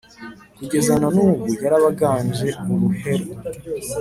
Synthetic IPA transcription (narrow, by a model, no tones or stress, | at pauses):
kuɟe̞zananuːβuɡaɾaβaɡaːɲd͡ʒe̞uɾuhe̞ɾo